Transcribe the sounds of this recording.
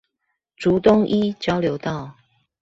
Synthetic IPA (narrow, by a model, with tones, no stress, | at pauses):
ʈ͡ʂu˨˦t̪ʊ˥˦ŋʔi˦t͡ɕjɑ˦ʊljo˧˦ʊt̪ɑ˥˨ʊ